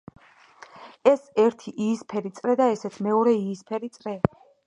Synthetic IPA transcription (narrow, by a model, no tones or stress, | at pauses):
ɛsɛɾt̪ʰiʔiːspʰɛɾit̪sʼɾɛd̪aɛsɛt̪sʰmɛɔɾɛiːspʰɛɾit̪sʼɾɛ